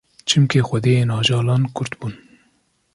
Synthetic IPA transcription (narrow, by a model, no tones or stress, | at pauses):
t͡ʃʰɨmkixʷɛd̪eːjeːnɑːʒɑːlɑːnkʰʊɾt̪buːn